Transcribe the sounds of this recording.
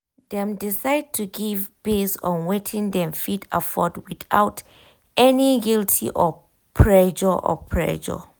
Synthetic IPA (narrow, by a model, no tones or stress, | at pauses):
dɛ̃mdisaɪd̚tʰuɡivbesɔ̰̃nwetʰĩŋdɛ̃mfidafɔdwiθaʊt | ɛniɡiltʰḭʔɔ | pʰɹɛd͡ʒəʔɔ̰pʰɹɛ̰ʃə̰